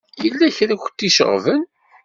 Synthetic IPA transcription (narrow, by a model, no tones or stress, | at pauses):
jəlːæçɾæç̥t̪ːiʃə̰ʁvən